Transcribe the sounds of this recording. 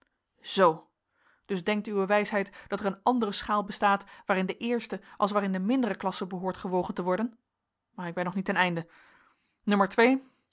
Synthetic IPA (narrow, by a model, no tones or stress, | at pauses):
z̥ow | d̥ɵzdɛŋk̚tyʋəʋɛjsɦɛjtd̥ɑtərənɑndərəsχaːlˠbəstaːtʋaːɾɪndəʔɪːɹstəʔɑ̰lˠs̬ʋaːɾɪndəmɪndərəklɑsəbəɦʊːɹtχəʋowχəntəʋɔɹdən | maːɹɪɡ̚bɛnːɔχnitɛnɛjndə | nɵməɹtʋej